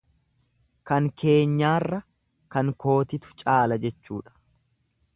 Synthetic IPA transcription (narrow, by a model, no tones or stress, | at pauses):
kɐŋkʰe̞ːɲːaːrːɐ | kɐŋko̞ːt̪ɪt̪ʊ̥t͡ʃʼaːlɐd͡ʒɛt͡ʃːṵːᶑɐ̥